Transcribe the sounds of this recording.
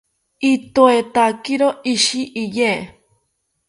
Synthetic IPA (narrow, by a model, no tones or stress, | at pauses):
it̪oet̪akiɾoʔiʃiʔije